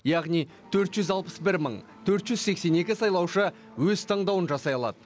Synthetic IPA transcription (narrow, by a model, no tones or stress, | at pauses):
jɑʁnij | t̪ʰɵɾt̪ʒʏzɑlˠpəsbɪɾməɴ | t̪ʰɵɾt̪ʒʏzse̞kse̞ne̞kʲɪsɑjlˠɑwʃə | wɵzt̪ʰɑɴd̪ɑwənʒɑsɑjɑlˠɑ̰d̪ə